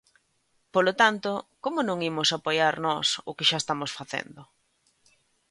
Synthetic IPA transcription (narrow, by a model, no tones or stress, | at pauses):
polot̪ant̪okomʊnõŋimʊsapojaɾnɔsʊkɪʃaest̪amosfaθḛnd̪ʊ